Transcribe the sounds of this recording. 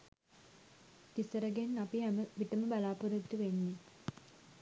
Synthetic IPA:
t̪isəɾəɡenːapiɦæməʋiʈəməbalaːpuɾud̪ːuʋenːi

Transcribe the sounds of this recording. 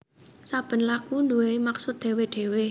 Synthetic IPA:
sab̥ə̤nlakund̪uweimaksʊt̪̚d̪̥e̤weɖ̥e̤we

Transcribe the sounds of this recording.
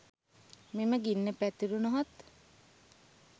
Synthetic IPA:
meməɡinːəpæt̪iɾunoɦat̪

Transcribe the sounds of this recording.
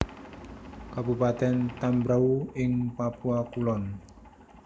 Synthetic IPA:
kabupat̪ɛnt̪ambɾauɪŋpapuakulɔn

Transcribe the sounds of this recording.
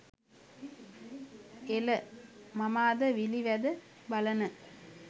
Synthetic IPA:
ɛlɐmɐmaːd̪ɐʋiliʋɐðɐ | bɐlɐnɐ

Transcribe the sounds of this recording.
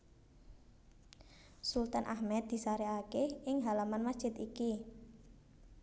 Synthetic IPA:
sult̪anʔahmɛt̪̚d̪̥i̤saɾeakehɪŋɦalamanmasdʒ̥ɪ̤t̪iki

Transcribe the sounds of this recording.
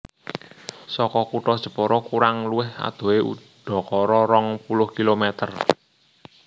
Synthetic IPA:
sɔkɔkuʈɔd̥ʒ̥ə̤pɔɾɔkuɾaŋluwɪha̰d̪̥o̤eṵɖ̪̥ɔ̤kɔɾɔɾɔŋpulʊhkilomɛt̪ər

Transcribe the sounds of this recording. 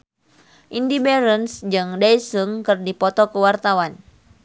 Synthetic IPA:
ʔindibɛɾənsd͡ʒɨŋdaisɨŋkɨrdipɔt̪ɔkəwart̪awan

